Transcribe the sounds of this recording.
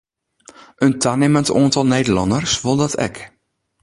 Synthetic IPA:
ʔəntʰanɪməntoəntɔlˠneːdəlɑndərsʋolˠdɔtʰɛ̰k

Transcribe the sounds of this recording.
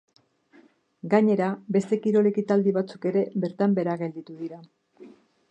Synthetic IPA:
ɡaɲe̞ɾabe̞st̪e̞kiɾo̞le̞kit̪ald̪iβat͡suke̞ɾe̞βe̞ɾt̪ambe̞ɾaɣe̞ld̪it̪uðiɾa

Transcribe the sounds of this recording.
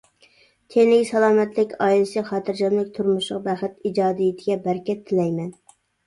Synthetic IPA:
t̪ʲʰenɪkʲsɛlˠɑːmɛt̪lɪkʲɑjilɨsɨχɑːt̪ʰɨɾd͡ʒɑmlɪkʲt̪ʰuɾmuʃlˠəq̚bæχɪt̪id͡ʒɑːd̪ijit̪ʰɪɡʲɛbæɾkʲʰɛt̪ʰːɪlɛjmɛn

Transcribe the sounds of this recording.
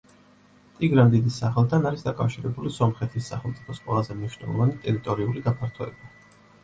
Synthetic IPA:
t̪ʼiɡɾand̪id̪isaχɛlˠt̪ʰanaɾisd̪akʼafʃiɾɛbulisɔmχɛt̪ʰisːa̰χɛlˠt̪sʼipʰɔsqʼwɛ̰lˠazɛmniʃnɛ̰lˠɔ̰vanit̪ʼɛɾit̪ʼɔɾiuliɡapʰaɾt̪ʰɔɛ̰ba

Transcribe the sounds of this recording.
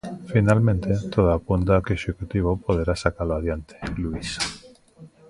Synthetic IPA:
finalmẽnt̪et̪oðaapunt̪̬akeʃekut̪iβ̞opoð̞eɾasakaloað̞jant̪ʰe̥luis

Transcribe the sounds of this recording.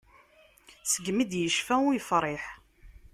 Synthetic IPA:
səɡmid̪jəʃfæujfɾˤɪħ

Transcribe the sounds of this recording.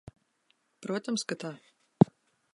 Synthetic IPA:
pɾuɔt̪ʲɐmskat̪a

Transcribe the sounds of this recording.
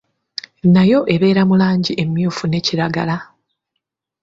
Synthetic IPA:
najo̞ʔe̞βe̞ːɾamulaːɲɟiʔe̞mjuːfune̞ciɾaɡala

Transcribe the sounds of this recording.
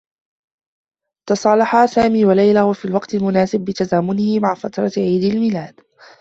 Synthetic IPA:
t̪ɑsˤɑːlɑħaːsaːmiːwalajlawafiːlwɑqt̪ɪlmʊnaːsɪb̚ːɪt̪azaːmʊnɪhɪmaʕfat̪ɾˤɑʕiːd̪ɪlmɪlaːd̪̥

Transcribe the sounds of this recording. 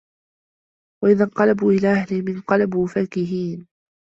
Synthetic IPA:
waʔɪðaɴqɑlabuːʔɪlaːʔahlɪhmɪnqɑlabuːfaːkɪɦiːn

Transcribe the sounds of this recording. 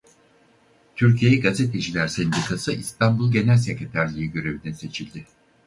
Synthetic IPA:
t̪ʰyɾcʰijeɛɡaze̞t̪ʰe̞d͡ʒilʲæɾsend̪ikʰasɯʔist̪ʰanbulˠɟe̞nælʲse̞cʲɾet̪ʰæɾlʲijiɟø̞ɾe̞vinɛse̞t͡ʃʰilʲd̪ɪ

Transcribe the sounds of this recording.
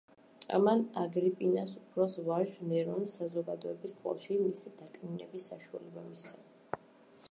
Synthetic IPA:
a̰manaɡɾipʼinasupʰɾɔsvaʒnɛɾɔmsazɔɡad̪ɔɛbist̪ʼwa̰lˠʃimisid̪̥akʼninɛbisːaʃua̰lɛbamisa

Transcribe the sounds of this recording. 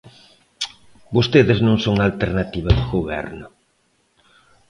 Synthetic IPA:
bost̪eðɪznõŋsoŋalt̪eɾnat̪iβɐðʊɣoβɛ̰ɾnʊ

